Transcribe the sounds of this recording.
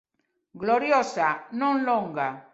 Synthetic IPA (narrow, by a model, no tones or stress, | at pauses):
ɡloɾjosanõnloŋɡa